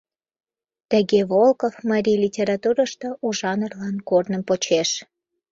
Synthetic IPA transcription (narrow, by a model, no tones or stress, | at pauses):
t̪əɣeβolkofmɑɾʲijlʲitʲeɾɑt̪uɾəʃt̪ouʒɑnərlɑnkornəmpot͡ɕeʃ